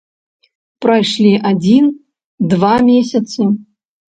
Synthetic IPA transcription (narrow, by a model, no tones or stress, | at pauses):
pɾajʂlʲiʔad͡zʲin | d̪vamʲesʲɐt̪sɨ